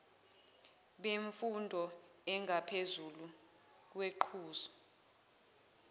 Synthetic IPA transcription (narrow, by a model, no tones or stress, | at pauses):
ɓeɱfundʱɔ | ɛŋʱapʰezulu | k̬weǃʰuːzɔ̥